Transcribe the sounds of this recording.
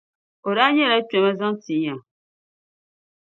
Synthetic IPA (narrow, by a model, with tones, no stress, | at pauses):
o˨ɾa˦ɲɛ˦la˦t͡ʃɛ˨ma˦za˦ŋti˨ja˨